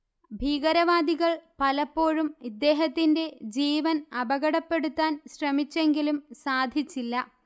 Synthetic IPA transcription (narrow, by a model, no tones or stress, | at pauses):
bʱiːɣɐɾɐʋaːd̪iɣɐɭpɐlɐpːo̞ːɻumid̪ːe̞ːɦɐt̪ːinde̞d͡ʑiːʋɐnɐbɐɣɐɽɐpːe̞ɽut̪ːaːnɕrɐmit͡ɕːe̞ŋɡilumsaːd̪ʱjit͡ɕːilːɐ